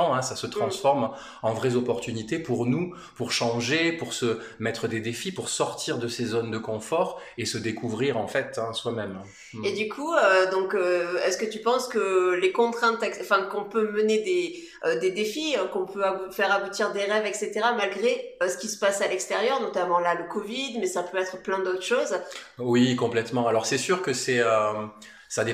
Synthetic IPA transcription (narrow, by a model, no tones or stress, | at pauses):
ɑ̃ɛ̃sasət̪χɑ̃sfɔʁm | ɑ̃vʁɛzɔpɔʁt̪ynit̪epuʁnu | puʁʃɑ̃ʒepuʁsə | mɛt̪χəd̪ed̪efipuʁsɔʁt̪ʰiʁd̪əsezɔnd̪əkɔ̃fɔʁesəd̪ekʰuvʁiʁɑ̃fɛt̪ɛ̃swamɛm | ed̪ykʰuød̪ɔ̃køɛsəkət̪ypɑ̃skəlekɔ̃t̪χɛ̃t̪ɛɑ̃fɛ̃kɔ̃pøməned̪e | ød̪ed̪efiøkɔ̃pʰøaufɛʁabut̪iʁd̪eʁɛvɛkset̪eʁamalɡʁeøsə̥kʲisə̥pasalɛkst̪eʁjœʁnɔt̪amɑ̃laləkɔvid̪mɛsapøɛt̪χəplɛ̃d̪ot̪χə̥ʃoz | wikɔ̃plɛt̪mɑ̃alɔʁsɛsyʁkəsɛø | sad̪e